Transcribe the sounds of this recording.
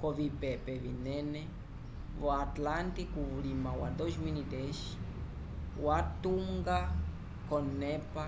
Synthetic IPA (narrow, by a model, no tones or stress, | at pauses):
kovipepevinɛne | voat̪lant̪ikuvulimawa̰d̪oʒminid̪eʃi̥ | wat̪uŋɡa | konɛpa